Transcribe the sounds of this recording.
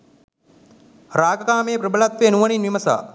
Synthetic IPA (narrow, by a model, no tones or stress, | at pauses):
ɾaːɡɐkaːmeːpɾɐbəlɐt̪ʋenuʋɐninʋimɐsa̰ː